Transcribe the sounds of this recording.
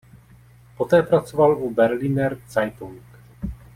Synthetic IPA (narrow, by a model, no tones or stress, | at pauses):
po̞t̪ɛːpɾat͡sovalʔubɛɾlinɛɾt͡sajt̪uŋk